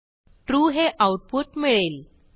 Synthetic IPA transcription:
ʈɾuɦeʔawʈ̚puʈmiɭel

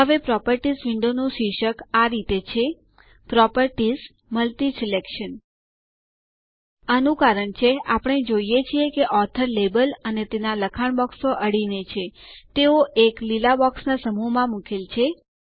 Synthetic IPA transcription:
ɦəʋepɾɔpəɾʈizʋɪɳɖonũʃiʃəkaɾit̪et͡ʃʰe | pɾɔpəɾʈiz | məlt̪isilekʃən | ənũkaɾəɳt͡ʃʰeapəɳ̃ed͡ʒoijet͡ʃʰiekeʔɔt̪ʰəɾlebələnet̪enaləkʰaɳbɔksoʔəɽinet͡ʃʰet̪eoʔeklilabɔksnasəmumãmukʰelt͡ʃʰe

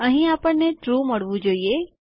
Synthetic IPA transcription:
əɦĩapəɳːeʈɾuməɭʋũd͡ʒoie

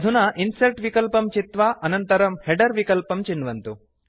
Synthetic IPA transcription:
d̪ʱunɐʔinsɐlʈʋikɐlpɐmt͡ʃit̪ʋaʔɐnɐnt̪ɐɾɐmheɖɐɾʋikɐlpɐmt͡ʃinːʋɐnt̪u

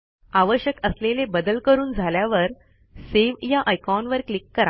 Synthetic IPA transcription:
aʋəɕjəkəslelebəd̪əlkəɾuːnd͡zʱaljaʋəɾ | seʋjaʔəjkɔnʋəɾklikːəɾa

